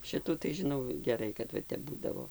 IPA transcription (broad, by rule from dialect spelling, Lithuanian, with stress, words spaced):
ˈʃʲɪtuː tɐɪ ʒʲɪˈnɐʊ ɡʲɛˈrɐɪ kɐt ˈʋɐ ˈtʲɛp ˈbuːdɐʋoː